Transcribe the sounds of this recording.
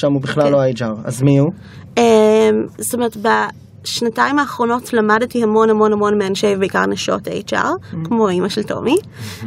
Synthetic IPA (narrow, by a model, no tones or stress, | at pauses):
ʃamubiχlalːoaid͡ʒaʁa̰zmiu | emsstomeʁtba | ʃnataimaːχʁo̞no̞tlamadtihamo̞nhamo̞nhamo̞nmeanʃevbeika̰ʁnaʃo̞̰ta̰id͡ʒa̰ʁkmoimaʃelto̞̰mi